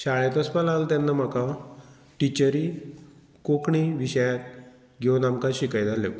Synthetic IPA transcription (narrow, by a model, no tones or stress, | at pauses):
ɕaɭɛt̪əspalalt̪janːam̤aka | ʈit͡ɕəɾi | kokɳiʋiɕəjat̪̚ | ɡʱenamkaɕikajd͡z̪ʱale